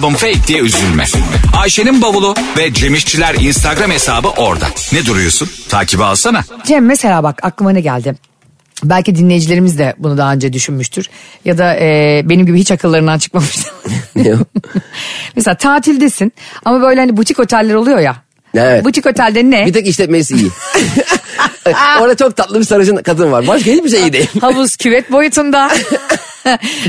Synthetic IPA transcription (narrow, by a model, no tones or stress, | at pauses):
bɯmfejc̚d̪ijɛyzylʲmɛ̰aːʃeninbabulˠuvɛd͡ʒe̞miʃt͡ʃʰilʲæɾinst̪ʰaɡɾame̞saːbɯʔo̞ɾd̪a̰nɛd̪uɾujo̰sunt̪ʰa̰ːcʰibialˠsanad͡ʒɛmːese̞lʲaːbakaklˠɯmanɛɟælʲd̪ɪ | bælʲcid̪inlʲe̞jid͡ʒilʲe̞ɾimizd̪ɛbunud̪aɦaønd͡ʒɛd̪yʃynmyʃt̪ʰyɾ̥jad̪aɛːbe̞nimɟibihit͡ʃakʰɯlˠːaɾɯnd̪ant͡ʃʰɯ̥kmamɯʃt̪a | mɛseaːt̪ʰaːt̪ʰilʲd̪esinamabø̞jlʲɛhanibut̪ʰiko̞t̪ʰɛlʲːeɾo̞lˠujo̞ja | eɛbut̪ʰiko̞t̪ʰɛlʲd̪ɛnɛbit̪ɛkiʃlʲɛt̪mejisiji | oɾd̪at͡ʃʰo̞k̚t̪ʰat̪lˠɯbisaɾɯʃɯnkat̪ɯmvaɾbaʃkait͡ʃbiʃejid̪ejhabuz̥cʰyvɛt̪̚bo̞jut̪ʰund̪a